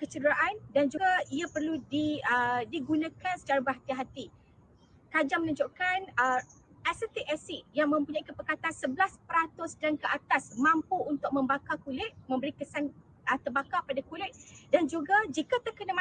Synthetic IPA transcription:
kət͡ʃədɾaʔandand͡ʒuaiapərludiədiɡunãkansə̥t͡ʃaɾabərɦat̪iɦat̪i | kad͡ʒamənũɲd͡ʒoʔkanə | asət̪iʔɛsiʔjaŋmə̃mpuɲaikəpəkat̪ansəblaspəɾat̪ʊsdankəʔat̪asmãmpuunt̪ʊk̚mə̃mbakakulɪt̪̚mə̃mbəɾikəsan | ət̪ərbakapadakulɪt̪̚dand͡ʒuɡad͡ʒikat̪əkənam

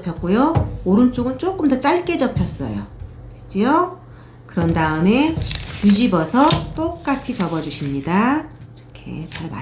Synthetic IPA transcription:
pʰjʌk͈̚ojooɾɯnt͡ɕ͈oɡɯnt͡ɕ͈ok͈ɯmdʌt͡ɕ͈aɭk͈e̞d͡ʑʌpʰjʌs͈ʌ̰jo | tet͡ɕ͈io | kɯɾʌndaɯme̞tuɕibʌsʰʌt͈ok͈̚at͡ɕʰit͡ɕʌbʌd͡ʑuɕʰimɲidaiɾʌkʰe̞̰t͡ɕaɭma

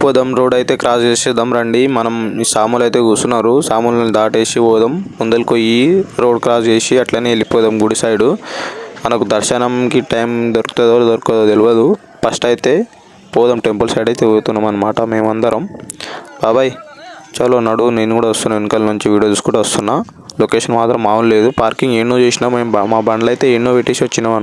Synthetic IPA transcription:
pɔːd̪ɐmɾo̞ːɖɐjt̪e̞ːkɾaːsd͡ʒeːseːd̪ɐmɾɐɳɖimɐnɐmsaːmuːlɐjt̪e̞ːkuːst̪unːaːɾusaːmulɐnːid̪aːʈe̞ːsiɔːd̪ɐmːund̪ɐlkojiɾo̞ːɖkɾaːsd͡ʒeːsiɐʈlaːneːlːipɔːd̪ɐmɡuɽisaːjiɽumɐnɐkud̪ɐɾʃɐnɐmkiʈɐjmd̪oɾku̥t̪oːd̪ɐːlɐd̪oɾkkod̪ɐd̪eluʋɐd̪u | pɐsʈɐjt̪eː | pɔːd̪ɐmʈempɐlsɐjɖɐjt̪eluɡut̪unːɐmɐnɐmaːʈɐme̞ːmɐnd̪ɐɾɐmbaːbaːji | t͡ʃaːloːnɐɽuneːnːukuːɽaːʋɐst̪unːaenːikɐlnuɲt͡ʃiʋiːɽijod̪uskuːɽaːʋɐst̪unːaː | lokeːʂɐnmaːt̪ɾɐmaːʋɐnle̞ːd̪upaːɾkiŋɡeːnːoːt͡ʃeːsinaːmeːmmaːbɐɳɖɐlɐjt̪e̞ːinːoːʋeʈeʃʋɐt͡ʃːinaːmɐnu

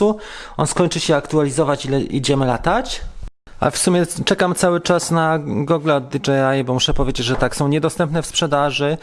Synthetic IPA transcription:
uɔnskɔɲt͡ʂɘɕɛakt̪ualʲizɔvat͡ɕilɛʔḭd͡ʑɛmɘla̰t̪at͡ɕ | a̰fsumʲɛt͡ʂɛkamt̪sawɘt͡ʂasnaɡɔɡlɛɔd̪̚d̪id͡ʐɛajbɔmuʂɛpɔvʲjed͡ʑed͡ʑʐɛt̪aksɔ̃w̃ɲɛd̪ɔst̪ɛmpnɛfspʂɛd̪aʐɘ

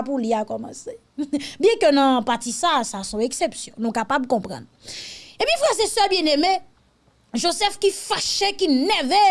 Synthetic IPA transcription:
puliakɔmɑ̰̃se | bjɛ̃kønãpatisasasɔ̃eksepsjɔ̃nũkapabkɔ̃pʁɑ̰̃nepjĩfʁɛzesœbjɛ̃neme | ʒozɛfkifaʃekinɛve

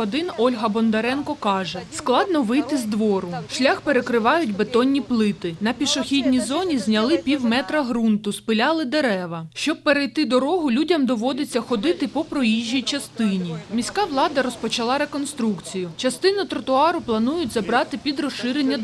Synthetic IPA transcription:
ɔd̪ɪnɔlʲɦɐbɔnd̪ɐɾɛnkɔkɑʒɛsklˠɑd̪nɔʋɪjt̪ɪzd̪ʋɔɾʊʃlʲaxpe̞ɾekɾɪʋɑjʊtʲbet̪ɔnʲːiplˠɪt̪ɪnɐpʲiʃɔxʲidʲnʲizɔnʲizʲnʲɐlˠɪpʲiwmɛt̪ɾɐɦɾunt̪ʊspɪlʲɑlˠɪd̪e̞ɾɛʋɐʃt͡ʃɔb̚peɾejt̪ɪd̪ɔɾɔɦʊlʲudʲɐmd̪ɔʋɔd̪et͡sʲːɐxɔd̪ɪt̪ɪpɔpɾɔjiʒʲːijt͡ʃɐst̪ɪnʲimʲisʲkɑʋlˠɑd̪ɐɾɔspɔt͡ʃɐlˠɑɾe̞kɔnst̪ɾukt͡sʲijʊt͡ʃɐst̪ɪnʊt̪ɾɔt̪ʊɑɾʊplˠɐnujʊtʲzɐbɾɑt̪ɪpʲid̪rɔʃɪɾenʲːɐ

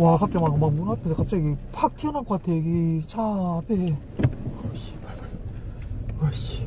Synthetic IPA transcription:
wakap̚t͡ɕ͈amakmakmunapʰedekap̚t͡ɕ͈aɡipʰak̚tʰiʌnapkoat̪ʰeɡit͡ɕʰapʰe | kɕi̥ | kʌɕi̥

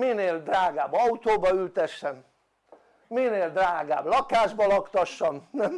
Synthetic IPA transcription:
mineːld̪raːɡaːbːɒut̪oːbɒylt̪ɛʃːɛm | mineːld̪raːɡa̰ːblɒkaːʒbɒlɒkt̪ɒʃːɒmnɛm

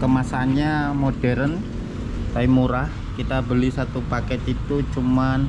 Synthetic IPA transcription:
kəmasanɲamodɛɾən | saimuɾah | kit̪abəlisat̪upakɛt̪it̪ut͡ʃuman

